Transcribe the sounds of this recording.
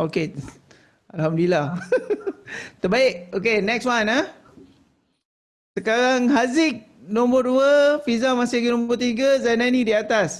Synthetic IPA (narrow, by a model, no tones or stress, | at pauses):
oke | alhamdilah | t̪əbaiʔokenɛkswana | səkaɣaŋɦazik̚ | nɔ̃mbərduəfizamãsikinɔ̃mbərt̪iɡazananĩdiat̪as